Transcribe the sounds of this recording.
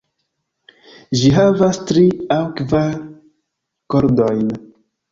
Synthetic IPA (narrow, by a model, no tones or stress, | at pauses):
ʒiɦavastɾiawkvaɾ | koɾdo̞jn